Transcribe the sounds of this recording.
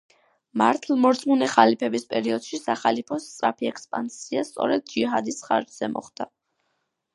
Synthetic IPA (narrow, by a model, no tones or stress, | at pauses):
maɾt̪ʰlˠmɔɾt̪sʼmunɛχalipʰɛbispʼɛɾiɔd̪̥ʃisaχalipʰɔst̪sʼɾapʰiɛkʰspʼa̰nsiast̪sʼɔ̰ɾɛd̪̚d͡ʒiɦad̪isχa̰ɾd͡ʒz̥ɛmɔ̰χd̪̥a